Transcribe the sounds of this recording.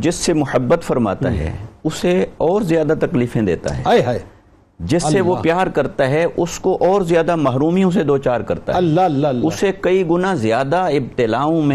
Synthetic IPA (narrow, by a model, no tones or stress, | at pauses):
d͡ʒɪsːemʊhəbːət̪fɐɾma̰ːt̪a̰ɦɛ̰ːʊseɔːɾzjaːd̪at̪ɐkliːfẽd̪ḛːt̪a̰ɦɛ̰ː | d͡ʒɪsːeʋopjaːɾkɐɾt̪aɦɛʔʊskoʔɔːɾzjaːd̪amɐɦɾuːmijõs̬ed̪oːt͡ʃaːɾkɐɾt̪a̰ɐɛlʊsekɐiɡʊnazɪjaːd̪aɪb̚t̪ɪlaːõmẽ